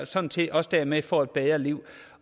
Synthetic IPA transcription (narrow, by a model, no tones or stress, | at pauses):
sɒ̽n̰n̩t͡sʰe̝ʔɒ̽sd̥æɐ̰mefɒ̰ːed̥̚b̥eːɐliʊ̰